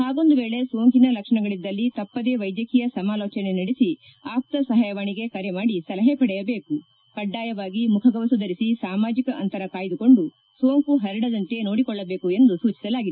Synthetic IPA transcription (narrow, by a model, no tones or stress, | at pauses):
haːɡo̞nd̪uʋeːɭe̞sʋoːŋkinɐlɐkʂɐɳɐɡɐɭid̪ːɐlːit̪ɐpːɐd̪e̞ːʋɐjd̪jɐkijɐsɐmaːloːt͡ʃɐne̞nɐɽisi | aːk̚t̪ɐsɐɦaːjɐʋaːɳiɡe̞kɐɾemaːɽisɐlɐɦepɐɽɛjɐbe̞ːku | kɐɖːaːjɐʋaːɡimukʰɐɡɐʋɐsud̪ɐɾisisaːmaːd͡ʒikɐʔɐnt̪ɐɾɐkaːjd̪uko̞ɳɖu | sʋoːŋkuɦɐɾɐɽɐd̪ɐnt̪e̞no̞ːɽikɔɭːɐbeːkue̞nd̪usuːt͡ʃi̥sɐlaːɡid̪e